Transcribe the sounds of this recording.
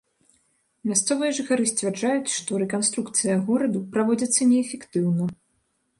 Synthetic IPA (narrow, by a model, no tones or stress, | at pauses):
mʲast̪sɔvɨjɐʐɨxaɾɨsʲt͡sʲvʲard͡ʐajut͡sʲʂt̪ɔɾɛkanst̪ɾukt̪sɨjɐɣɔɾɐd̪upɾavɔd͡zʲɐt̪sːɐnʲɛːfʲɛkt̪ɨwnɐ